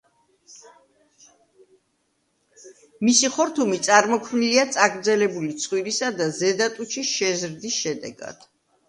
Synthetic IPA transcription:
misiχɔɾt̪ʰumit̪sʼaɾmɔkʰmniliat̪sʼaɡɾd̪zɛlɛbulit̪sʰχwiɾisad̪azɛd̪at̪ʼut͡ʃʰiʃɛzɾd̪isʃɛd̪ɛ̰ɡa̰d̪̥

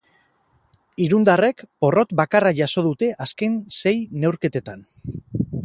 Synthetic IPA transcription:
iɾund̪are̞kpo̞ro̞t̪bakaraʝaso̞ð̞ut̪e̞ʔaske̞nse̞jne̞wɾke̞t̪e̞t̪an

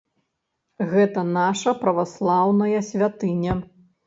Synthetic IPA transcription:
ɣɛt̪ɐnaʂɐpɾɐvaslˠawnɐjɐsʲvʲat̪ɨnʲɐ

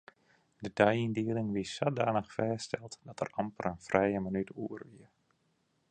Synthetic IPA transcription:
dədœjindiːəlɪŋʋisadaːnəxfɛːstɛlˠtdɑtə̰rɑmpərənfrɛjəmənytuərʋiər

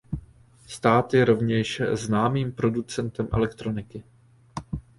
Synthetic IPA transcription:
st̪aːt̪jɛɾo̞vɲɛʃznaːmiːmpɾo̞dut͡sɛnt̪ɛmʔɛ̰lɛkt̪ɾo̞nɪkɪ

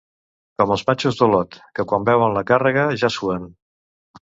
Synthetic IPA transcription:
kɔməlˠzmat͡ʃuzðəlɔt̪kəkwambɛwənləkarəɣ̞əʒasuən

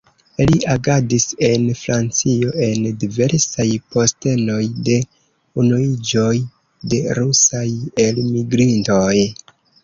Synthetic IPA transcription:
iliaɡadise̞nfɾant͡sio̞ʔe̞ndive̞ɾsajpo̞ste̞no̞jde̞ | unuid͡ʒo̞j | de̞ɾusaje̞lmiɡɾinto̞j

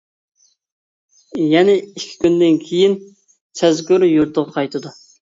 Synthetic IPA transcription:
jɛnɛikʲʰːi̥kʲynd̪ɪnkʲʰejin | sʰɛzɡʲyɾjuɾt̪ʰəʁɑqʰɑjt̪ʰɨd̪u

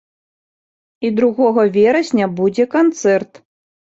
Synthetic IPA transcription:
id̪ɾuɣɔɣɐvʲɛɾɐsʲnʲɐbud͡zʲɛkant̪sɛrt̪

